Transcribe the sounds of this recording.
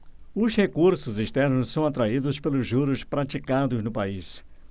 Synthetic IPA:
ʊzhekuɾsʊziʃt̪ɛɾnʊssɐ̃w̃at̪ɾaid̪ʊspelʊzʒuɾʊspɾat͡ʃikad̪ʊznʊpais

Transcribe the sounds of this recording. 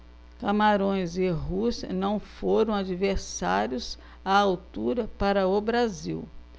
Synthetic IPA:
kamaɾõj̃zeɦusnɐ̃w̃foɾɐ̃w̃ad͡ʒiveɾsa̰ɾjʊs | aawt̪uɾɐpaɾɐobɾaziw

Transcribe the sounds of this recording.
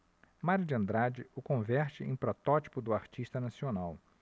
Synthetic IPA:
maɾʊd͡ʒɪɐ̃nd̪ɾad͡ʒɪʊkõvɛɾt͡ʃɪʔḛ̃j̃pɾɔt̪ɔt͡ʃi̥pʊd̪ʊaɾt͡ʃiʃt̪ɐnasionaw

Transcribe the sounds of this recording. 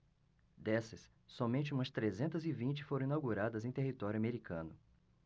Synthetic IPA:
d̪ɛsɐsː | ɔmẽnt͡ʃɪũmɐst̪ɾezẽnt̪ɐzɪvĩt͡ʃɪ̥foɾɐ̃ĩnawɡuɾad̪ɐzẽj̃t̪eɦit̪ɔɾjʊameɾikʰɐ̃nʊ

